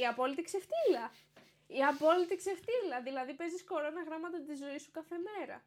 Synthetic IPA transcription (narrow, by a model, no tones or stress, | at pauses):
iɐpo̞lit̪ikse̞ft̪ilɐ | iɐpo̞lit̪ikse̞ft̪ilɐðilɐðipe̞zisko̞ɾo̞nɐɣɾɐmɐt̪ɐt̪izo̞isu̥kɐθe̞me̞ɾɐ̰